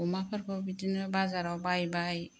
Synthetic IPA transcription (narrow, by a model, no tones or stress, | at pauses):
ɔmapʰaɾkʰɔbidinɯbazaɾawbajbaj